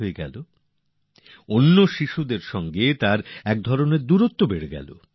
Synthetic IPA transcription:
oeɡɛ̰lo | onːoʃiʃud̪eɾʃɔŋɡet̪aɾɛk̚d̪ʱɔɾoneɾd̪uɾot̪ːobeɽeɡɛ̰lo̰

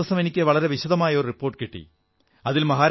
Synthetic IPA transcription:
ɐsɐme̞nikʲːɨʋɐɭɐɾe̞ʋiɕɐðɐmaːjɐoɾripːo̞ːrʈːɨkiʈːḭ | ɐðilmɐɦaːɾ

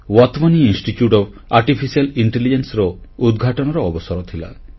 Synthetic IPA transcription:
wɔt̪maniinsʈitjuʈɔb | aɾʈipʰisialiɳʈelid͡ʒensɾɔud̪ɡʱaʈɔnɔɾɔɔbɔsɔɾɔt̪ʰila̰

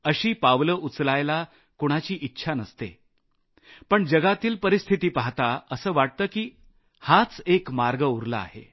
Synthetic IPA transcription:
əɕiːpaʋləʔut͡slajla | koɽ̃at͡ɕiːʔitːɕʰanəst̪e | pəɳd͡ʑəɡat̪iːlpəɾist̪ʰit̪iːpaɦt̪aəsəːʋaʈ̚t̪əːkiː | hat͡sekmaɾɡəuɾla̰a̰hḛ

